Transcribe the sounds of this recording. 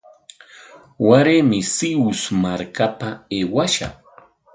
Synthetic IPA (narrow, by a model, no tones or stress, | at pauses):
waɾemɪsɪʊsmaɾkapaeːwaʃa̰χ